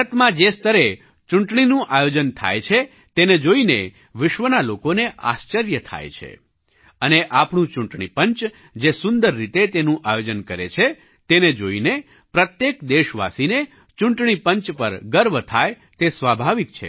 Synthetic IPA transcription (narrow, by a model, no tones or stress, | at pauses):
ət̪mãd͡ʒest̪əɾe | t͡ʃuɳʈɳinũʔajod͡ʒənt̪ʰa̰jt͡ʃʰe | t̪ened͡ʒoine | ʋɪʃʋənalokoneʔa̰st͡ʃəɾjət̪ʰa̰jt͡ʃʰḛ | əneʔapɳũt͡ʃuɳʈɳipəɲt͡ʃ | d͡ʒesʊnd̪əɾːit̪et̪enũʔajod͡ʒənkəɾḛt͡ʃʰe | t̪ened͡ʒoine | pɾət̪jekd̪eʃʋa̰sine | t͡ʃuɳʈɳipəɲt͡ʃpəɾɡəɾʋt̪ʰaj | t̪esʋabʱaʋik̚t͡ʃʰḛ